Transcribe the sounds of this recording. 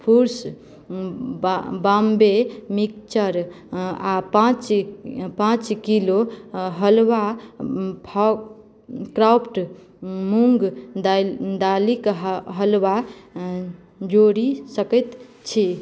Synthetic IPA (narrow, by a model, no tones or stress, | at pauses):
pʰuɾs | bambemik̚t͡ʃəɾ | apãt͡ʃpãt͡ʃkiloɦəlwa | pʰa | kɾapʰʈ | muŋɡd̪d̪alikɦɦəlwa | d͡ʒoɾisəkət̪ | t͡ʃʰi